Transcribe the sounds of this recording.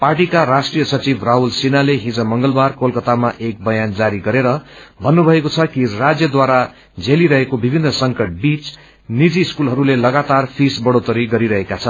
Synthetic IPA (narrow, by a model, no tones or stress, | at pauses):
parʈikaɾasʈrijʌsʌt͡sibʱraɦulsinaleɦĩd͡zʌ̃mʌŋɡʌlbarkolkʌt̪amaʔek̚bʌjand͡zaɾiɡʌɾeɾʌbʱʌnːubʱʌekot͡sʰʌkirad͡zjʌd̪waɾa | d͡zeliɾʌɦekobibʱinːʌsʌŋkʌʈ̚bit͡s | nid͡ziskulɦʌɾulelʌɡat̪arpʰisbʌɽot̪ʌɾiɡʌɾiɾʌɦekat͡sʰʌn